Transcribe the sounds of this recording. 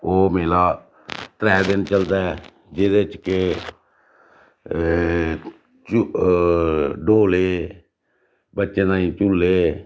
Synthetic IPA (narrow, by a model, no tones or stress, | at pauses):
oːmeːlaː | t̪ɾɛːd̪ɪnt͡ʃəld̪aɛ | d͡ʒɪd̪et͡ʃke | t͡ʃ | ɖoːleː | bətːʃeːnãːĩːt͡ʃʊlːeː